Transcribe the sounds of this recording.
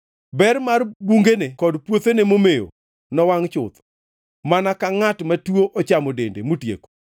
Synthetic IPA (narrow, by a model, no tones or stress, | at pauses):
bɛrmarbuŋɡenekɔdpwot̪enemomejo̰ | nɔwaŋt͡ʃʊ̰t̪ɔ̥ | manakaŋatmatwoʔɔt͡ʃamodendemotjḛko̥